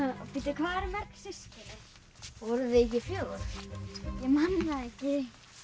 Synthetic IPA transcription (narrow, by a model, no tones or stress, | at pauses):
pɪt̪ɪkʰvaːɾɪmɛɾ̥ksɪst̪ɪɾɪ | vɔɾʏðɪɛcːɪfjœːɣʏɾ | jɛmanlaðɛhcɪ